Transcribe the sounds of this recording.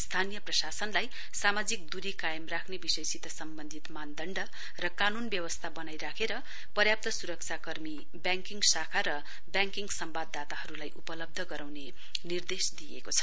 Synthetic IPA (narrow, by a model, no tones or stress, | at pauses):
st̪ʰanijʌprʌsasʌnlaj | samad͡zik̚d̪uɾikajʌmrakʰnebisʌjsit̪ʌsʌmbʌnd̪ʱit̪mand̪ʱʌɳɖʌ | rʌkanunbjʌwʌst̪ʰabʌnajɾakʰeɾʌ | pʌrjap̚t̪ʌsuɾʌk̚t͡sʰakʌrmi | bjaŋkiŋɡsakʰaɾʌ | bjaŋkiŋɡsʌmbad̪ːat̪ahʌɾulajʔupʌlʌb̚d̪ʱʌɡʌɾawne | nird̪esd̪ijḛkot͡sʰʌ̥